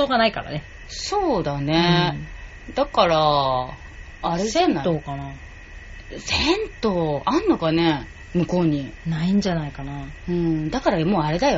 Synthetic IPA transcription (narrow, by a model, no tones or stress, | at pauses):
oːɡanaika̰ɾa̰ne | so̞ːd̪ane̞ | d̪akaɾa | ɾezenːat̪okana | sent̪o̞ːãnːo̞ɡane̞ | mɯ̟ko̞ːɲ̟inaĩɲd͡ʑanaikanaɯ̟̃ɴd̪akaɾamo̞ːaɾe̞d̪ajo